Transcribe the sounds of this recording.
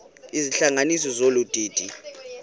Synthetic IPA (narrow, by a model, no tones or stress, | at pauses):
iziɬaŋanis̬ɔzolud̥ʱiːd̥ʱi